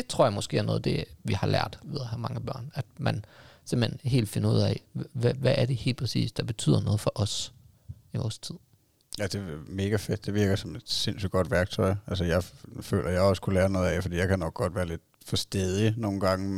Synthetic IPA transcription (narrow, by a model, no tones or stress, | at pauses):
d̥e̝t͡sʰʁo̝ɐ̰jɑ̈mɒ̽sɡ̥e̝ːɐnɔ̽ːð̩ˠd̥e̝ʋihɑ̈læɐ̰d̥ʋiðˠɐhæmɑ̈ŋəb̥ɶɐ̰næd̥mænsem̥̩henɦe̝̰ːld̥fe̝nɐuð̞̰ˠɛ̰ʋæʋæʔːɐɾe̝he̝̰ːld̥pʰɛsḭːsd̥ɑ̈b̥e̝t͡sʰy̰ːð̰ˠɐnɔ̽ːð̞̩ˠfɒ̽ʔɒ̽s | iʋɒːst͡sʰið̰ˠ | jæd̥e̝me̝ːɡ̥æfed̥ːe̝ʋiɐɡ̥ɐsɒ̽me̝d̥se̝nsy̥ɡ̥ɒ̽d̥ʋæɐɡ̥̚t͡sʰɒɪ̰ælsəjɑ̈ɪfø̰ːlʔɐjɑ̈ɪɒskʰulæːɐnɔ̽ːð̩ˠɛfɒd̥ḭːjɑ̈ɪkʰænɒ̽ɡ̥̚ɡ̥ɒ̽d̥ʋæːɐle̝d̥̚ | fɒsd̥eðˠino̝ːn̩ɡ̥ɑ̈ŋə